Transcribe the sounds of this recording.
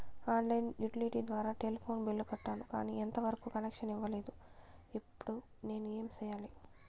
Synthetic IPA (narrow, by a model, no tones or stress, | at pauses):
aːnlɐjnjuʈiliʈiːd̪ʋaːɾaːʈelpʰo̞ːnbilːukɐʈːaːnuka̰ːniːent̪ɐʋɐɾɐkuːkɐnekʂɐniʋːɐle̞ːd̪uipːuɽu | ne̞ːnueːmt͡ʃɛːjaːli